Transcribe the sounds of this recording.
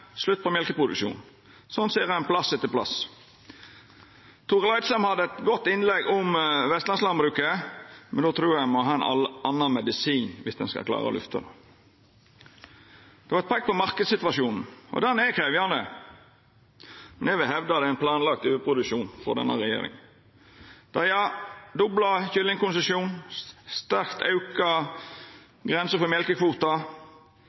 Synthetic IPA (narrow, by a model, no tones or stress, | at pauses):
slʉt̪̚ːpʰɔmjɛlkəpʰʁʊd̪ʉ̰kʃṵːn̩ | sɔnseːʁænpʰlɑsːɛt̪ːəpʰlɑ̰s | t̪ʰʊːʁlɑɪt̪slɛmhɑd̪ːəɛt̪ɡɔt̪ːɪnlɛɡʊmʋɛst̪lɑnslɑnbɾʉːkəmɛnd̪oːt̪ʰɾuːʁjæmɔɦɑːɛnɑɑnːɑnmɛd̪ɪsiːnʋɪsd̪ɛ̰nskɑ̰kʰlɑ̰ːʁə̰ɔ̰lʉ̰ft̪ʰɑ̰d̪o | d̪̥ɛʋɑɛt̪pʰɑk̚pɔmɑʁkəd̪sɪt̪ʋɑʃuːnn̩ɔ̰d̪ɛnɛkʰʁeːʋjɑnd̪ə̰ | mɛnɛʋɪlɦɛʋd̪ɑd̪ɛæɪnpʰlɑːnlɑk̚t̪ʉːəpʰʁʊd̪ʉʃuːnfɔ̰d̪ɛ̰nːəʁɛjḛːɾɪ̰ŋ | d̪̥ɑjɑd̪ʊblɑçʏlɪŋkʊnsəsjuːnst̪æʁkt̪ʰɑʉkɑ | ɡʁɛnsəfɔmjɛlkəkʰʋuːt̪ɑ